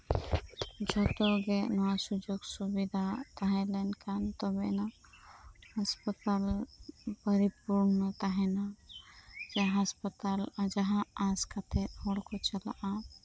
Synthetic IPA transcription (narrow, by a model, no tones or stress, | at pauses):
d͡ʒɔt̪oɡenɔasud͡ʒoɡsubid̪ʱat̪aɦɛlɛnkant̪ɔbena | həspət̪al | pəɾipuɾnət̪aɦɛna | d͡ʒaɦəspət̪ald͡ʒəɦãaskat̪ʰeɔɽkot͡ʃəla̰ʔa